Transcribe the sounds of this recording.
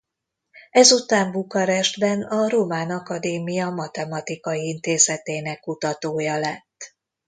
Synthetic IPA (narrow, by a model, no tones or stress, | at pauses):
ɛzut̪aːɱbukɒɾɛʒd̪bɛnɒɾomaːnɒkɒd̪eːmijɒmɒt̪ɛmɒt̪ikɒjiint̪eːzɛt̪eːnɛkːut̪ɒt̪oːjɒlɛt̪ː